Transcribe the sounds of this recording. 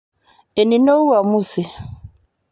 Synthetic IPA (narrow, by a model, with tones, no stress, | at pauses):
e˨ni˨no˦u˦wa˨mu˦˨se˨